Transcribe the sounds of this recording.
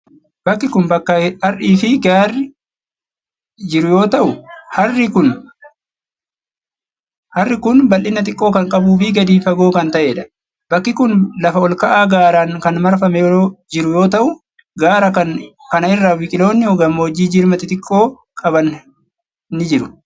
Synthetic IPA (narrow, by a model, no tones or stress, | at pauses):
b̥ɐkːɪkʊnbɐkːɐɐɾʔiːfɪɡaːrːɪ | d͡ʒɪɾʊjo̞ːt̪ɐʔʊhɐrːɪkʊn | hɐrːɪkʊnbɐlʔɪnːɐt̪ʼɪkʼːo̞ːkɐŋkʼɐbuːfɪɡɐd̪iːfɐɡo̞ːkɐnt̪ɐʔe̞ːᶑɐ̥ | bɐkːɪkʊnlɐfɐɔlkɐʔaːɡaːɾaːnkɐnmɐɾfɐmɛjd͡ʒɪɾʊjo̞ːt̪ɐʔʊ | ɡaːɾɐkɐn | kɐnɐɪrːaːwɪkʼɪlo̞ːnːɪhɔɡɐmːoːd͡ʒiːd͡ʒɪɾmɐt̪ɪt̪ʼɪkʼːo̞ː | kʼɐbɐn | nːɪd͡ʒɪɾʊ̥